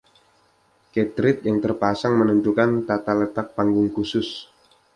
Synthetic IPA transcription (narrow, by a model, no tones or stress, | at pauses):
ket̪ɾɪt̪̚jaŋt̪ərpasaŋmənuɲt̪ukant̪at̪alət̪ak̚paŋɡʊŋkusʊs